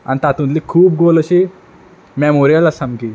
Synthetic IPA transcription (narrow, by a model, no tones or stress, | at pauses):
a̰nit̪at̪ũnt̪likʰuːp̚ɡoləɕi | mɛmoɾijalasamki